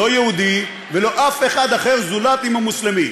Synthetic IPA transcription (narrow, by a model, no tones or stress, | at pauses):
o̞jehud̪i | velo̞ʔafe̞χad̪aχeʁzulat̪imamuslemi